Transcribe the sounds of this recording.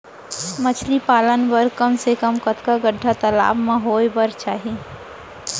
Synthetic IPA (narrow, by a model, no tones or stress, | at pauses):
mət͡ʃʰlipaːlənbəɾkəmsekəmkət̪kaɡəɖʱːat̪əla̰ːbmãɦoːjbəɾt͡ʃaːɦie